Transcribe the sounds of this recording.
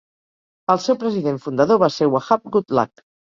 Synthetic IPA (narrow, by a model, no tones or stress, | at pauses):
əlˠsewpɾəziðeɱfund̪əðoβasewaxap̚ɡut̪la̰k